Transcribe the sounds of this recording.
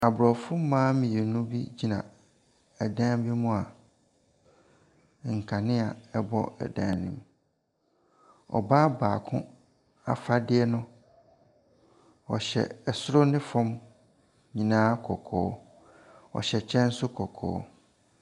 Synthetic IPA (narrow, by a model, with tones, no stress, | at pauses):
a˨bɾɔ˨fʊ˦mãː˦mĩ˨e˨nũ˦bi˦d͡ʑi˦nã˨ | ɛ˨dã˦bi˦mʊ̃˦a˨ | ŋ̩˨kʰã˨nɪ̃˦a˨ɛ˦bɔ̰˦ɛ̰˨dã˨nḭ̃˨m | ɔ̰˨baː˦baː˨kʰʊ̃˦ | a̰˨fa˦dɪ˦ɛ˦nʊ̃˦ | ɔ˨ɕɛ̰˨ɛ˨sʊ˦ɾʊ˦nɪ̃˦fɔ̃˦m | ɲĩ˨nãː˦kʰɔ˨kʰɔ̰ː˦ | ɔ̰˨ɕɛ˨t͡ɕʰɛ̃˦n̩˦sʊ˦kʰɔ˨kʰɔ̰ː˦